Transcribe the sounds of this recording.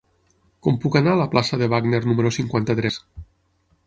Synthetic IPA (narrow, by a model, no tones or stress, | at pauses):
kɔmpukanaːləplasəðeβ̞aɡneɾnumeɾosiŋkwant̪at̪ɾɛs